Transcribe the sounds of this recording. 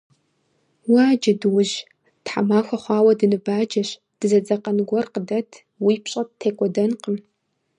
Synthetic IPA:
wad͡ʒɐdwʊʑ | tħa̰maːxʷɐχʷɑːwɐdɨnɨbaːd͡ʒɐɕ | d̥ɨzɐd͡zɐqɐnɨɡʷɔrqədɐtʰ | wiːpɕʼɐtʰeːkʷʼɔdɐnqəm

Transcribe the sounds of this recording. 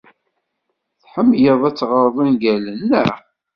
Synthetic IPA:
θħəmːjəðˤæt͡sːʁəɾˤðˤənɡælənːæ

